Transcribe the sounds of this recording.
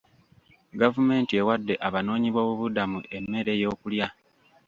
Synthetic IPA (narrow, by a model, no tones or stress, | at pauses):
ɡavume̞ːntie̞wadːe̞ʔaβano̞ːɲiβo̞ːβuβudamuʔe̞mːe̞ɾe̞jo̞ːkulja